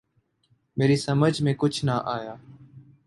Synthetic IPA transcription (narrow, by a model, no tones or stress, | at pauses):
meːɾiːsəməd͡ʒʱmẽːkʊt͡ʃʰnaːʔaːjaː